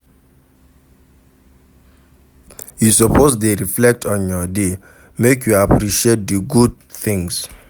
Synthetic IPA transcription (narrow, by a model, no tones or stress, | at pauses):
jusɔpʰosdeɹiflɛk̚tʰɔ̃njɔde | mekjuapɹiʃiet̚dəɡud̚ | θĩŋs